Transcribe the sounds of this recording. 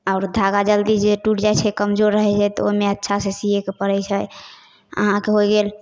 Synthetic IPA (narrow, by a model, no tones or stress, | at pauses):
aʊɾd̪ʱaɡad͡ʒəld̪id͡ʒeʈuʈd͡ʒajt͡ʃʰɛkəmd͡ʒoɾːəɦɛt͡ʃʰɛt̪ɔ̰omeətːʃʰasesiɦekepəɾɛjt͡ʃʰɛ | ə̰ɦãkeɦojɡel